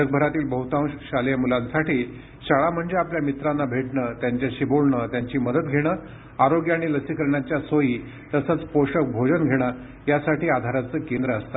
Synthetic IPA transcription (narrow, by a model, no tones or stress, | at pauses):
ək̚bʱəɾat̪iːlbəɦut̪ãʋɕaljamulãnsaʈiː | ɕaɭam̤əɳd͡zeapljamit̪ɾanːabʱeʈɳət̪jaɲt͡ɕjaɕibolɳəːt̪jaɲt͡ɕiːməd̪ət̪ɡʱeɽ̃əː | aɾoɡjaːɽ̃iləsikəɾɳjat͡ɕjasojiː | t̪əsət͡spoɕək̚bʱod͡ʑənɡʱeɽ̃a | jasaʈiːad̪ʱaɾat͡səːkend̪ɾəəst̪ḁ